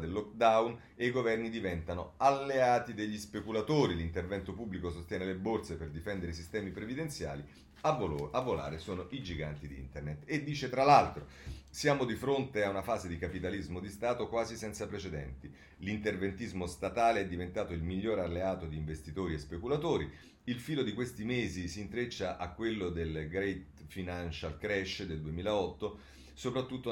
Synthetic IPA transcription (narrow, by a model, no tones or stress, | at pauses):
d̪elːɔk̚d̪awn | eiɡovɛrnid̪ivɛnt̪anoalːeaːt̪id̪eʎːispekulat̪oːɾilint̪ervɛnt̪opubːlikos̬ost̪jɛːnelebort̪seperd̪ifɛnd̪eɾeis̬ist̪ɛːmipɾevid̪ent̪sja̰ːli | aavːola̰ːɾesoːnoʔid͡ʒiɡa̰nt̪id̪iḭnt̪ernet̪ed̪ːiːt͡ʃet̪ɾalalt̪ɾo | sjaːmod̪ifɾont̪eaunafaːzed̪ikapit̪alizmod̪ist̪aːt̪okwaːzisɛnt̪sapɾet͡ʃed̪ɛ̰nt̪i | lint̪ervent̪izmost̪at̪aːleɛd̪ːivent̪aːt̪oilmiʎːoːɾalːeaːt̪od̪iːɱvest̪it̪oːɾiespekulat̪oːɾi | ilfiːlod̪ikwest̪imeːzisiːnt̪ɾet͡ʃːaʔakːwelːod̪elɡɾɛjt̪finant͡ʃalkɾɛʃːd̪eld̪uemiːlaɔt̪ːo | sopɾat̪ːut̪ːo